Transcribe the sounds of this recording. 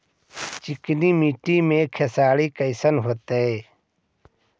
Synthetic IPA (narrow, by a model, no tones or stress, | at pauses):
t͡ʃikniːmiːʈiːmẽkʰesaːɽiːkəjsənɦoːt̪eeː